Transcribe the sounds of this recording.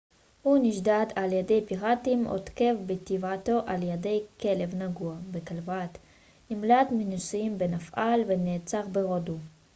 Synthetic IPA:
huniʃdat̪aljedejpiʁatimo̰tke̞vbet̪ivato̞ʔaljede̞jke̞le̞vnaɡuabekalvat̪ | nimlat̪minusiimbenafʔalveneːt͡saʁbeʁodu

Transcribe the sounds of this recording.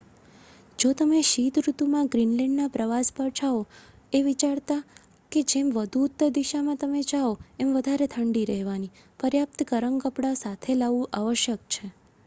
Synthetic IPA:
d͡ʒot̪əmeʃit̪ɾut̪umãɡɾinlɛɳɖnapɾəʋaspəɾt͡ʃʰao | eʋit͡ʃaɽt̪a | ked͡ʒemʋəd̪ʱuːt̪ːəɾd̪iʃamãt̪əmed͡ʒaoemʋəd̪ʱaɾet̪ʰəɳɖiɾəɦʋani | pəɾjap̚t̪əkəɾəŋkəpɽasat̪ʰelaʋũʔaʋəʃjək̚t͡ʃʰe

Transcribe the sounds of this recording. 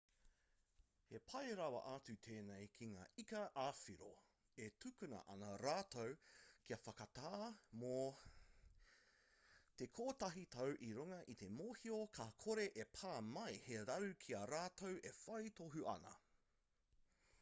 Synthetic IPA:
hepʰɐjɾɐwɐ̰ʔaːt͡sʉt̪ʰeːnejkʰiŋa̰ːikɐʔaːfiɾo̰ | etʰʉkʉnɐ̰ʔɐnɐɾaːtowkʰiɐfɐkɐtaːmo | t̪ekʰoːtɐɦit̪ʰɐwʔiɾuŋɐʔit̪ʰe̞moːhiokʰakʰoɾeʔepʰaːmɐjheɾɐɾʉkʰiɐɾaːtowefɐjt̪oɦuʔɐ̰nɐ̰

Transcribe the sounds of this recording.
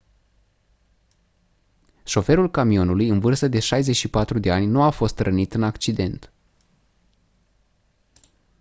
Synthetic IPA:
ʃo̞fe̞ɾulkamio̞nulujɨnvɨrst̪əd̪e̞ʃajze̞t͡ʃʃipat̪ɾud̪e̞anʲnuafo̞st̪rənit̪ɨnakt͡ʃid̪e̞nt̪

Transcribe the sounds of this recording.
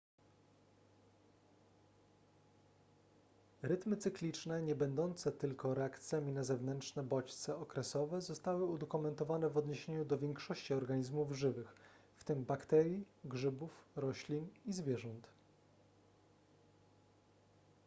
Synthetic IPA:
ɾɘt̪mɘt̪sɘklʲit͡ʂnɛɲɛbɛnd̪ɔnt̪sɛt̪ɘlkɔɾɛakt̪sʲjamʲinazɛvnɛntʂnɛbɔt͡ɕt̪sɛɔkɾɛsɔvɛzɔst̪awɘud̪ɔkumɛnt̪ɔvanɛvɔd̪ɲeɕeɲud̪ɔvʲjɛŋkʂɔɕt͡ɕiɔɾɡaɲizmuvʐɘvɘx | ft̪ɘmbakt̪ɛɾʲji | ɡʐɘbufɾɔɕlʲinizvʲjɛʐɔnt̪

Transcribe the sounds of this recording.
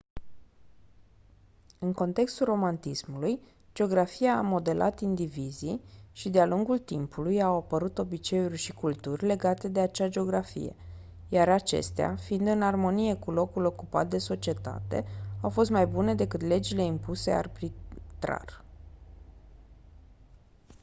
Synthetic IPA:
ɨŋko̞nt̪e̞kst̪ulro̞mant̪ismuluj | d͡ʒeo̞ɡɾafiaːmo̞d̪e̞lʔa̰t̪ind̪iviziʃid̪ealuŋɡult̪impʰulujawapəɾut̪o̞bit͡ʃe̞urʲʃikult̪urʲle̞ɡat̪e̞d̪e̞at͡ʃad͡ʒe̞o̞ɡɾafḭje̞̰ | jaɾat͡ʃe̞̰st̪ea̰fiind̪ɨnarmo̞nije̞kulo̞kulo̞kupa̰t̪̚d̪e̞so̞t͡ʃie̞t̪a̰t̪e̞̰awfo̞s̬t̪majbune̞d̪e̞kɨt̪le̞d͡ʒile̞impuse̞̰a̰rbɾit̪ɾa̰r

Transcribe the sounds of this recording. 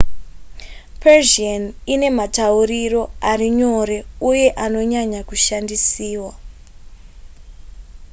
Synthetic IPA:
pʰerʒianine̞matauriro̞ariɲo̞ɾe̞uje̞ʔano̞ɲaɲakuʃandisiːwa

